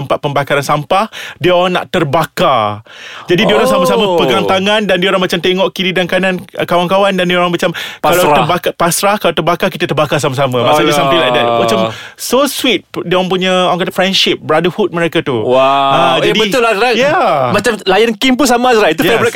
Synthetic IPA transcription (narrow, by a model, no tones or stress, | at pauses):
əmpat̪̚pəmbakaɾansampahdiəoɾaŋna̰ʔt̪ərbaka | d͡ʒadidiəoɾaŋsamasaməpəɡant̪aŋãndandiəoɾaŋmat͡ʃamt̪eŋɔʔkiɾidankanãnkawankawandandioɾaŋmat͡ʃamalat̪əbakapasɾahkalat̪ərbakakit̪ət̪ərbakas̬amasamãmãsadisampilajk̚dɛt̚mat͡ʃamsoswit̪̚diəoɾaŋpuɲəoɾaŋkat̪əfɾɛnʃɪp̚bəɾadəhut̪̚məɾekat̪uwaad͡ʒadibət̪ʊlaajamat͡ʃamlajənkimpus̬amazɾat̪uabəɾak